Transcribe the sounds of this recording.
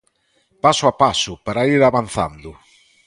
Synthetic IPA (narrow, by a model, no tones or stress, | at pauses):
pasʊapasʊpaɾaiɾaβan̟θa̰nd̪ʊ